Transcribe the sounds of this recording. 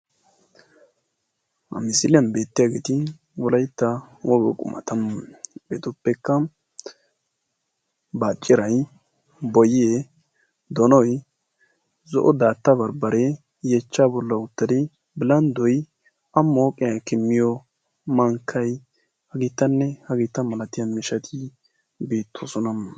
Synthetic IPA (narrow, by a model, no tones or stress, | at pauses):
ɐ̰mɪsɪlɪjɐnbe̞ːt̪ːɪjaɡeːt̪ɪ | wɔlɐjt̪ːɐwɔɡɔkʼʊ̰mʔɐ̰t̪ɐmb̥eːt̪ʊpːɛkːɐ | baːt͡ʃʼːɪɾɐj | bɔjɪe | d̪ɔnɔj | zɔʔɔd̪aːt̪ːɐbɐɾbɐɾɛ | jɛt͡ʃːaːbɔlːɐʊt̪ːɐd̪ɪ | bɪlɐnd̪ɔj | ɐmːoːkʼɪjɐkɪmːɪjɔ | mɐŋkʰːɐj | hɐɡiːt̪ːɐnːɛhɐɡiːt̪ːɐmɐlɐt̪ɪjɐnmɪʃɐt̪ʰɪ | biːt̪ʰːosɔnɐm